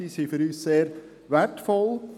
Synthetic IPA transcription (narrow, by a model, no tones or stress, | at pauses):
isifəɾyseːɾ | værtfɔlˠ